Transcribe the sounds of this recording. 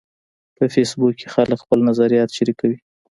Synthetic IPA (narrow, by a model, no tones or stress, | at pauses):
pəfesbukːexaləkxpəlnazaɾijɑt̪ʃaɾikawi